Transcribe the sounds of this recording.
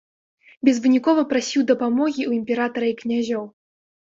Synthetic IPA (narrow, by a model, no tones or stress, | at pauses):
bʲɛzvɨnʲikɔvɐpɾasʲiwd̪ɐpamɔɣʲiuimʲpʲɛɾat̪ɐɾɐiknʲaʒʲɔw